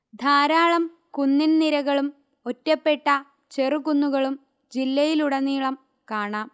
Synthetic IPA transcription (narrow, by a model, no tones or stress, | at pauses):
d̪ʱaːɾaːɭɐm | kunːinniɾɐɣɐɭum | o̞tːɐpːe̞ʈːɐ | t͡ɕerukunːuɣɐɭum | d͡ʑilːɐjiluɽɐniːɭɐm | kaːɳaːm